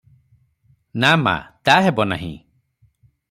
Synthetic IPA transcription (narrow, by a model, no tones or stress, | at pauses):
nama̰t̪aɦebɔna̰ɦḭ̃